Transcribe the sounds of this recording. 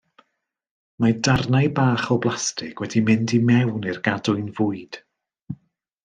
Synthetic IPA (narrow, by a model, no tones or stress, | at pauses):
madarnajbaːχɔblˠastʰɪkwɛdimɪndimɛwnɪrɡadʊɨnvʊɨd̥